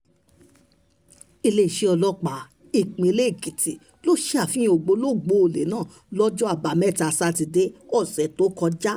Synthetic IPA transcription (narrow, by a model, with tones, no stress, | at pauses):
i˧le˧i˨ʃe˧˦ɔ˧lɔ˦k͡pa˨˦ | i˨k͡pĩ˨˧le˦i˦˨ki˨ti˨ | lo˦˨ʃe˦a˦˨fĩ˦o˧˨ɡ͡bo˧˦lo˦˨ɡ͡bo˨˦o˨le˨˦nãː˦˨ | lɔ˦d͡ʒɔ˦a˦˨ba˨mɛ˦˨ta˧˨sa˧ti˧de˦ɔ˦˨sɛ˨to˨˦kɔ˧d͡ʒa˦